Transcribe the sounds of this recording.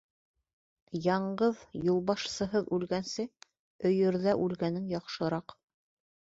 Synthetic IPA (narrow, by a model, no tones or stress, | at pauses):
jɑɴɢɤðjulˠβɑʃsɤ̆ɦɤðʉlɡænsɘ | ɵ̆jɵ̆ɾðæʔʉlɡænɘŋjɑqʃɤ̆ɾɑq